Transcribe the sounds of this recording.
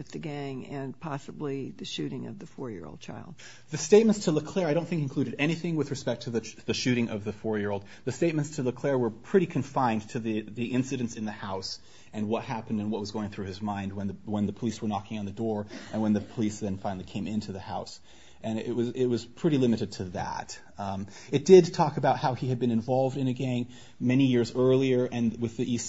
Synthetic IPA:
ɨt̪ðɨɡæ̃ŋɨ̃npʰɑsəbliðɨʃʉɾɪ̃ŋʌ̰vðɨfɔɹjɪ̰ɹo̰ʊd̚t͡ʃʰa̰ɪlˠd̥̚ | ðɨsteɪt̚mɨ̃ntstʰɨləkʰl̥ɛɹaɪɾõnθɪ̃ŋkɨ̃nkʰl̥ʉɾɨɾɛɾ̃iθɪ̃ŋwɨðɹɨspɛk̚tʰɨðɨðɨʃʉɾɪ̃ŋʔʌvðɨfɔɹjɪɹoʊlˠd̪̚ðɨsteɪt̚mɨ̃ntstʰɨləkʰl̥ɛɹwə˞pʰɹ̥ɪɾikʰɨ̃ɱfãɪ̃ntʰɨðɨðiʔɪ̃nsɨɾɨ̃ntsɨ̃nðɨhaʊs | ɨ̃nwʌt̚hæpɨ̃n̩dɨ̃nwʌt̚wʌzɡoʊɪ̃ŋθɹʉɨzmãɪ̃nd̚wə̃nðəwə̃nðɨpʰəliswə˞nɑkɪ̃ŋɨ̃nðɨdɔɹʔɨ̃nwə̃nðɨpʰəlisðɨ̃nfãɪ̃nl̩ˠikʰẽɪ̃mɪ̃ntʰʉðɨhaʊs | ʔɨ̃nʔɪt̚wʌzɪt̚wʌz̥pʰɹ̥ɪɾilɪmɨɾɨd̚tʰɨðæ̰t | ɨt̚d̥ɪdtʰɔkɨbaʊt̚haʊiɨd̚bɨ̃nɨ̃ɱvɑlˠvdɨ̃nɨɡẽɪ̃ŋ | mɛnijɪɹzɜ˞lˠiə˞ʔɨ̃nwɨðiʔi

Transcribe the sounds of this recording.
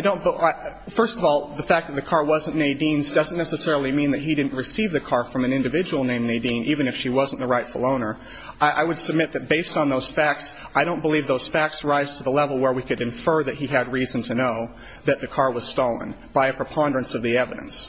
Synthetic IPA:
aɪdõʊ̃nbaɪfɜ˞stʌvɔlˠðɨfæk̚ðɨt̪̚ðɨkʰɑɹwʌzə̃nneɪdĩnzdʌz̃n̩nːɛsɨsɛɹl̩ˠimĩnðɨt̚ɦidɪdⁿn̩ʔɹɨsivðɨkʰɑɹfɹʌ̃mɨ̃nɪ̃ndɨvɪd͡ʒəwl̩ˠnẽɪ̃mneɪdĩnʔivɨ̃nɨfʃiwʌz̃n̩ðəɹaɪtfl̩ˠõʊ̃nə˞ | ɪʔa̰ɪwɨd̥sɨb̚mɪt̪̚ðɨt̚b̥eɪstn̩ðoʊz̥fæk̚ts | aɪɾõʊ̃nb̥əlivðoʊz̥fæk̚tsɹaɪz̥tʰəðəlɛvl̩ˠwə˞wikɨɾɨ̃ɱfɜ˞ðɨt̚ɦiɨd̚ɹizɨ̃n̩tʰɨnoʊ | ðɨt̪̚ðɨkʰɑɹwʌz̥stoʊlˠə̰̃nb̥aɪɨpʰɹ̥ɨpʰɑ̃ndɹɨ̃nsʌvðiɛvɨ̰ɾɨ̰̃ns

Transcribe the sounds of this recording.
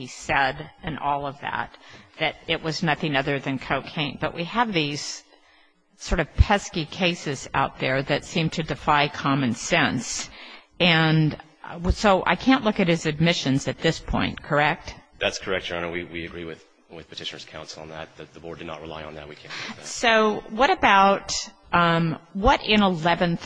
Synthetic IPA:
isɛɾɨ̃nʔɔlˠʌvðæ̰t̪̚ðɨɾɪʔ̚wʔʌznʌθɪ̃ŋʌðə˞ðɨ̃nkʰoʊkʰẽɪ̃n̚b̥ʌʔwʔiəvðiz̥ | sɔɹɾʌv̥pʰɛskikʰeɪsɨz̥a̰ʊt̪̚ðə˞ðɨtsĩmtʰɨdɨfaɪkʰɑmɨ̃nsɛ̃ns | ɨ̃n | soʊʔa̰ɪkʰæ̃nʔlʊkɨt̚hɨzɨd̚mɪʃɨ̃nzɨt̪̚ðɪspʰɔ̰̃ɪ̃nkʰə˞ɛk̚t̚ðætskʰə˞ɛk̚d̥ʒ̥ɑ̃nəwiwiɨɡɹiwɨð̥ | wɨð̥pʰɨ̥tʰɪʃnə˞z̥kʰãʊ̃nsl̩ˠə̃nðɨ̰t̪̚ðɨt̪̚ðəbɔɹdɨdⁿnə̰t̚ɹɨla̰ɪə̰̃nðɨ̰t̚wikʰæ̃soʊwʌɾɨbaʊt̚ | wʌɾɪ̃nəlɛvɨ̃nθ

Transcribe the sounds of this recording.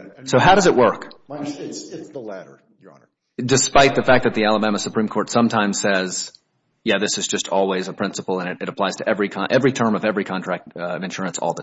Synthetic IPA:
soʊɦaʊɾʌzɨʔ̚wʔɜ˞k | ðəlæɾə˞ | n | dɨspaɪt̪̚ðɨfæk̚ðɨt̪̚ðiælˠəbæməsəpʰɹĩmkʰɔɹtsʌ̃mtʰãɪ̃mz̥sɛz̥ | jæðɪsɨzd͡ʒʌstʰɔlˠwizəpʰɹ̥ɪ̃nsəpl̩ˠə̃nɨɾɨɾəpʰl̥aɪz̥tʰɨʔɛvɹikʰɑʔɛvɹitʰɜ̃˞mʌvɛvɹikʰɑ̃nɹ̥æk̚tʌɨ̃nʃʊɹɨ̃nsɔ̰lˠðə

